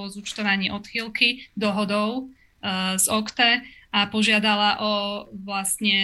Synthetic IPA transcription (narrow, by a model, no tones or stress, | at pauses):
ɔzut͡ʃt̪ɔʋaɲiʔɔt̪xilkid̪ɔɦɔd̪ɔʊ | zɔkt̪ɛapɔʒɪad̪alaʔɔʋlast̪ɲɛ